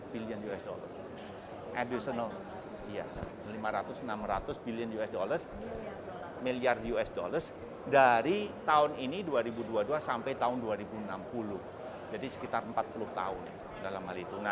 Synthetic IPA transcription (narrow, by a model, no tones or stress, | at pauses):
biliənjuɛsdo̰lə̰rs | ʔɛdusən | ija̰ | limaɾat̪ʊsənamrat̪ʊsbiliənjuɛsdolərs | miliarjuɛsdo̰lərs | daɾit̪aʊniniduaɾibuduaduasampajt̪aʊnduaɾibunampulʊh | d͡ʒadisə̥kit̪arəmpat̪̚pulʊht̪a̰ʊn | dalamhalit̪una